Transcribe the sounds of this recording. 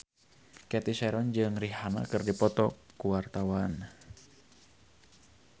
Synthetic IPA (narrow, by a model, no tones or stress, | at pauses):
kɛt̪isɛɾɔnd͡ʒɨŋriɦana̰kɨrdipɔt̪ɔkuwart̪awan